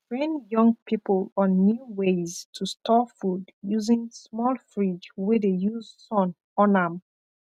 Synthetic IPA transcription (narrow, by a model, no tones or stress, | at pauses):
ɹɛ̃njʌ̃ŋpʰipəlɔ̃nːjuweztʰustʰɔfudjuzĩŋsmɔlfɹid͡ʒwɛdejuzsɔ̃n | ɔ̃nãm